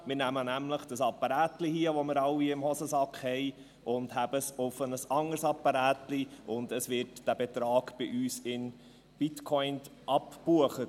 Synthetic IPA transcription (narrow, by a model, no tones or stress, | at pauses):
mɪɾnæmənæmləχd̥əsɑpːɑɾæːtlihiəʋɔmɪɾɑwiɪmhɔsəsɑkχhɛɪ | ʔʊndhæb̥əsʊfənəsɑŋəɾsɑpːɑɾæːtliʔʊnd̪əsʋɪɾtd̥æb̥ɛt̪ɾɑːɡb̥ɪʔyːsɪn | b̥ɪtkʰɔɪntʔɑpbuəχə